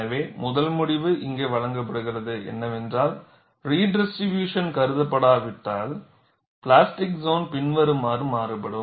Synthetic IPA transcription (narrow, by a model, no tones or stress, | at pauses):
ɐʋeːmʊðɐlmʊɽɪʋɯʔɪŋɡeːʋɐɻɐŋɡɐp̬ːɐɽɯɣɪrɐðɯʔɛ̰nːɐʋɛndraːl | riːɖɛsɾɪʋjuːʂɐnkɐɾɯðɐpːɐɽaːʋɪʈːaːl | pɭaːsʈɪksoːnpɪnʋɐɾɯmaːrɯmaːɾɯpːɐɽɯ